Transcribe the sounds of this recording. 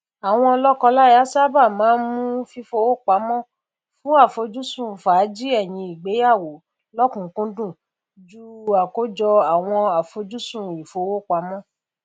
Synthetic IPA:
a˨w̃ɔ̃˧ɔ˧lɔ˦kɔ˧la˦˨a˨˦sa˦ba˦˨mãː˨˦n˦mũ˦fi˦fo˧wo˦˨k͡pa˨˦mɔ̃˦ | fũ˦a˦˨fo˧d͡ʒu˦sũ˦˨fa˨˦d͡ʒi˦ɛ˦˨j̃ĩ˧i˨ɡ͡be˨˦ja˦˨wo˨ | lɔ˦kũ˨˦kũ˦dũ˦˨ | d͡ʒu˦a˨ko˨˦d͡ʒɔ˧a˨w̃ɔ̃˧a˨fo˧˦d͡ʒu˦sũ˦˨i˨fo˧˦wo˦˨k͡pa˨˦mɔ̃˦

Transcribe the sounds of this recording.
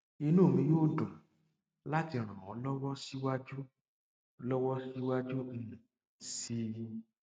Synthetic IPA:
i˧nũ˦˨mĩ˧˦joː˦˨dɔ̃˨ | la˦ti˧ɾ̃ã˨ɔ˨˦lɔ˦wɔ˦si˦wa˦d͡ʒu˦ | lɔ˦wɔ˦si˦wa˦d͡ʒu˦n̩˦nĩ˨ | si˦

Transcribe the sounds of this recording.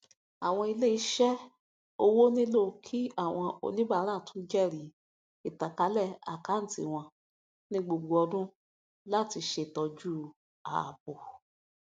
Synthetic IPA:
a˨w̃ɔ̃˧i˧le˦i˧˦ʃɛ˦ | o˦˧wo˦nĩ˦lo˦˨kʰi˦a˦˨w̃ɔ̃˧o̰˧nĩ˦ba˦˧˦ɾa˦˨tũ˦d͡ʒɛ˦˨ɾi˨˦ | i˦˨ta˨ka˨˦lɛ˦˨a̰˨ka˨˦n̩˨tḭ˨w̃ɔ̃˧ | nĩ˧ɡ͡bo˧˨ɡ͡bo˧ɔ˧dũ˦ | la˦˨ti˧ʃe˧˨tɔ˧d͡ʒu˦˨ | a̰˨bo˨

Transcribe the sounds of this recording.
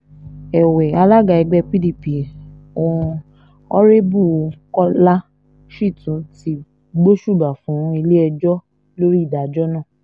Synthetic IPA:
ɛ˨wɛ˨a˧la˦ɡa˧˨ɛ˧ɡ͡bɛ˧pi˦di˦˨pi˨ | õ˨˧ | ɔ˦ɾe˦bu˦˨˧kɔ˦la˦ | ʃi˦˨tũ˨˦ti˧ | ɡ͡bo˦ʃu˦˨ba˨fũ˨˦i˧le˦ɛ˧d͡ʒɔ˦ | lo˦ɾi˦i˦˨da˨d͡ʒɔ˦nã˦˨

